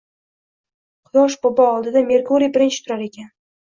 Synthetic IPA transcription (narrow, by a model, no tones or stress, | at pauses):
qʰʊjɒʃ̬bobɒɒlˠd̪ɪd̪ame̞ɾkʰuɾijbɪɾɪnt͡ʃʰɪ̥t̪ʰʊɾaɾe̞kʲan